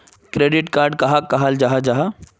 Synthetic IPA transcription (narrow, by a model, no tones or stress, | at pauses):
kɾeːɖɪʈkaːɾɖkɐɦakɐɦald͡ʒaɦad͡ʒaɦa